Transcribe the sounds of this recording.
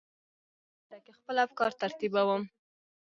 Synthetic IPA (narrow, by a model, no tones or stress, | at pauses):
ʈakexpəlafkɑɾt̪aɾt̪ibawəm